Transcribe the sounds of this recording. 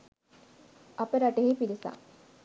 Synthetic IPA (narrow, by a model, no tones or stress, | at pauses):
ɐpəɾɐʈeɦipilisa̰ː